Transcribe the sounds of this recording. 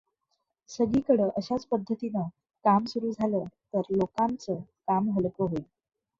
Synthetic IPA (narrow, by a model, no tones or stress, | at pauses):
səɡiːkəɽəʔəɕat͡spəd̪ʱːət̪inə | kamsuɾuːd͡zʱaləːt̪əɾlokant͡səkamɦəlkəɦoi